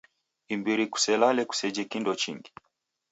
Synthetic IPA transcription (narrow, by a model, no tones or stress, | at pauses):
imbiɾiku̥sɛlalɛku̥sɛd͡ʒɛkindɔt͡ʃḭŋɡi